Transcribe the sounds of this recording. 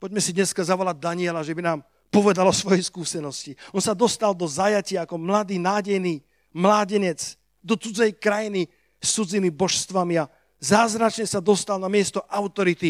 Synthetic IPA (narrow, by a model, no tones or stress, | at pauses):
pɔɟmɛsid̪ɲɛskazaʋɔlaɟ̚d̪aɲiɛlaʒɛbinaːm | pɔʋɛd̪alɔsʋɔjɛjskuːsɛnɔsciɔnsad̪ɔst̪ald̪ɔzajacɪaːkɔmlad̪iːnaːɟɛjniː | mlaːɟɛɲɛt͡s | d̪ɔt͡sud͡zɛjkɾajini | sːud͡ziːmibɔʃst̪ʋamia | zaːzɾat͡ʃɲɛsad̪ɔst̪alnamɪɛst̪ɔʔaʊt̪ɔɾit̪i